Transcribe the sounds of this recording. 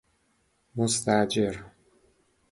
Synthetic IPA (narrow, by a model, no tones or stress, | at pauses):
most̪ʰæd͡ʒeɾ